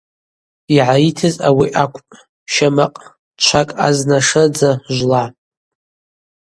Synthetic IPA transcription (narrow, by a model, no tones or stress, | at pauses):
iʕaitʰɨzawiʔakʷʰʼpʼ | ʃamaqʼ | t͡ʃʷʰakʼa̰znaʂɨd͡zaʒʷla